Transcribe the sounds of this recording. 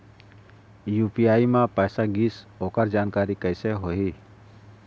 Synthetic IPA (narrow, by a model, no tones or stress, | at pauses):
juːpijaːimãpəːsaɡiːsoːkəɾd͡ʒaːnkaːɾikəɪseɦoːɦiː